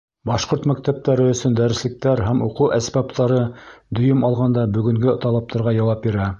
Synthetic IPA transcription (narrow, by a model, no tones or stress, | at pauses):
bɑʃqoɾt̪mæk̚t̪æp̚t̪æɾɘɵ̆sɵnd̪æɾɘ̆slɘ̆k̚t̪æɾɦæmuquʔæsbɑpt̪ɑɾɤd̪ɵ̆jɵmɑlˠʁɑnd̪ɑbɵ̆ɡɵ̆ŋɡɘt̪ɑlˠɑp̚t̪ɑɾʁɑjɑwɑp̚biɾæ